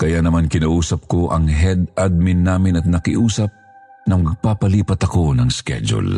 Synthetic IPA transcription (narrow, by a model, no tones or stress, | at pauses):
kɐjanɐmankɪnɐʔuːsɐp̚koʔɐŋɦɛd̪ad̪̚mɪnːaːmɪnɐt̪̚nɐkɪʔuːsɐp̚nɐŋmɐɡ̚papɐliːpɐt̪ɐko̞nɐŋskɛ̰d͡ʒo̰l